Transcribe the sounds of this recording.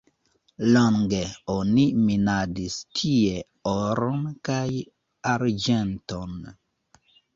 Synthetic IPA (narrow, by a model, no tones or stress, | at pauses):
loŋɡeoniminadistʰie | oɾonkaj | aɾd͡ʒenton